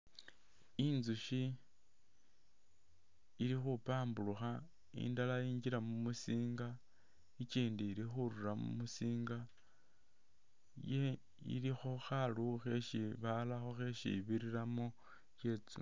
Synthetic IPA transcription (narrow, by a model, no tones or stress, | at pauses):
inzuʃi | ɾixupaːmbuluxa | ḭndalajiːɲd͡ʒiɾamumusiːŋɡa | it͡ʃiːndiːɾixuɾuɾamṵmusiːŋɡa | je | ḭɾixoxaluxe̞ʃiβalaxoxe̞ʃḭβiɾiɾamo̞ | t͡ʃe̞t͡sṵ